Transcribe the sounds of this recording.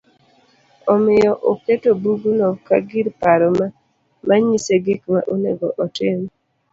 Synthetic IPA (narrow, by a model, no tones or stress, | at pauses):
ɔmɪjɔʔoketobuɡunɔkaɡiɾpaɾɔma | maɲiseɡikma̰ʔoneɡɔʔɔtɪm